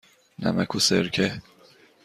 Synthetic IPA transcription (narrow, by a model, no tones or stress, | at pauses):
næ̰mæ̰kʰuseɾkʰe